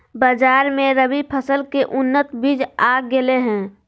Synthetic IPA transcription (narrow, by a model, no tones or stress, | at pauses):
bad͡ʒaːɾmẽɾəbipʰəsəlkeʔʊnːət̪biːd͡ʒaɡeleɦɛ̃ː